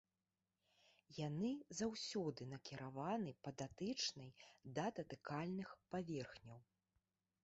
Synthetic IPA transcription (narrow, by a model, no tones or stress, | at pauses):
janɨzawsʲɔd̪ɨnɐkʲiɾʔavanɨpɐd̪at̪ɨt͡ʂnɐjd̪at̪ɐt̪ɨkalʲnɨxpavʲɛrxnʲɐw